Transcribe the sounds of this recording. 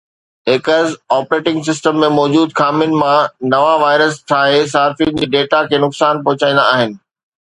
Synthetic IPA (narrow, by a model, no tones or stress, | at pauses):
ɦɪkəɾzaːpɾeːʈɪ̃ŋɡsɪsʈəmːẽmɔːd͡ʑuːd̪kʰaːmɪnɪ̆mãnɐʋaʋaːɪɾəsʈ̪ʰaːɦes̬aːfijʊnd͡ʑiːɖeːʈakʰeːnʊksaːnpɐɦʊt͡ɕaːĩnd̪a̰aːɦɪnɪ̆